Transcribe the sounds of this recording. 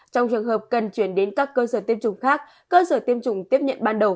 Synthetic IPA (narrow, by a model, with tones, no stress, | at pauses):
t͡ɕɔ˧wŋ͡mt͡ɕɨ˨˩əŋɦəː˨˩p̚kə˨˩nt͡ɕwi˧˩ənɗe˨˦nkaː˦˥kːəː˧səː˧˩t̪i˧əmt͡ɕʊ˨˧˩ŋ͡mxaː˦˥k̚ːəː˧səː˧˩t̪i˧əmt͡ɕʊ˨˧˩ŋ͡mt̪i˦˥əp̚ɲə̰˧˨nɓaː˧nɗə˨˩w